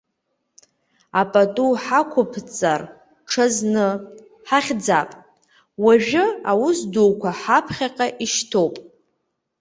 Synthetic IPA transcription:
apʼatʼuħakʷʰʊpʰt͡sʼar | ʈ͡ʂʰaznɨ | ħaχʲd͡zapʼ | waʒᶣʊawʊsduwkʷʰaħapʰχʲaqʼaʔiʃtʰo̞wpʼ

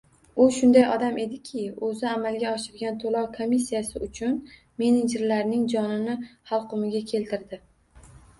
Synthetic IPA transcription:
ʊʃʊnd̪ajɒd̪amʔe̞d̪ɪkʲʰɪɵzɪamalɡʲaɒʃɪɾɡʲant̪ʰolˠɒwkʰomisːijasɪʊt͡ʃʰʊn | me̞ned͡ʒɪɾlaɾnɪŋd͡ʒɒnɪnɪχɑlˠqʰʊmɪɡʲakʲʰe̞lt̪ʰɪɾd̪ɪ

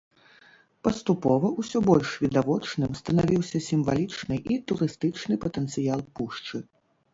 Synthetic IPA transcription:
pɐst̪upɔvɐusʲɔbɔlʲʂvʲid̪avɔt͡ʂnɨmst̪ɐnavʲiwsʲɐsʲimva̰lʲit͡ʂnɨʔit̪uɾɨst̪ɨt͡ʂnɨpɐt̪ɛnt̪sɨjalˠpuʂt͡ʂɨ

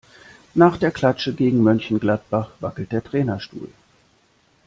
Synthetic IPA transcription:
naːχd̥eːɐkʰl̥at͡ʃəɡeːɡŋ̩mœnçn̩ɡlat̚b̥aχv̥akl̩t̚d̥eːɐtʁ̥ɛːnɐʃtṵːl

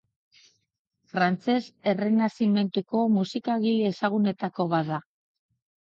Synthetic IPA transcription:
fɾant͡se̞se̞re̞nasime̞nt̪uko̞musikaɣileesaɣ̞une̞t̪ako̞βaða

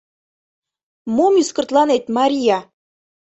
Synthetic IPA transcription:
momyskɤ̆rt̪lˠɑnet̪mɑɾʲijɑ

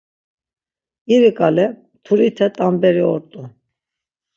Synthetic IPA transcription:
iɾikʼalɛ | t̪ʰuɾit̪ʰɛt̪ʼambɛɾiɔɾt̪ʼu

